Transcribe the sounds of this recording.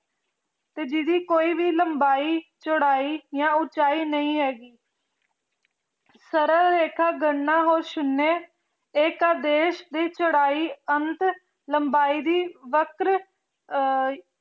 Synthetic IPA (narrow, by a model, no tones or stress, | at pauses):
t̪eːd͡ʒɪd̪iːkoːiːʋiːləmbaːiːt͡ʃəɽaːiːjãːʊt͡ʃaːiːnəĩːɦɛːɡiː | səɾəɾɾeːkʰaːɡəɳːaːɦoːɾʃʊnːeː | ekaːd̪eːʃd̪iːt͡ʃəɽaːiːənt̪ | ləmbaːiːd̪iːʋəkɾ